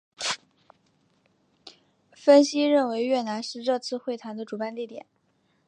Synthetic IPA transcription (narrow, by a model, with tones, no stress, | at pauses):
fə˥nɕi˥ɻə˥˩nwe˧˥ɪɥɛ˥˩na˧˥nʂɻ̩˥˧ʈ͡ʂɤ˥˧t͡sʰɹ̩˥˧xwe˥˩ɪt̪ʰa˧˥nd̪ə˧ʈ͡ʂu˨˩pa˥˧nt̪i˥˩t̪jɛ̰˨˩˦n